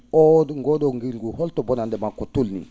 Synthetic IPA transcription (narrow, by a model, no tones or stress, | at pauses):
ɔdŋɡɔdɔŋɡiɡuhɔltɔbɔnandɛmakɔtulnḭn